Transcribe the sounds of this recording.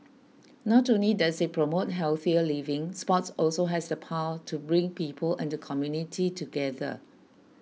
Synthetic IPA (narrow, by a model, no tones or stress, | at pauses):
nɔtõnlidasepʰɹomot̚ɦɛlθiəlivɪ̃ŋspɔtsɔlsoɦɛsdəpʰawətʰubɹĩŋpiːpʰəlɛ̃ndəkʰɔmjunitʰitʰuɡɛðə̰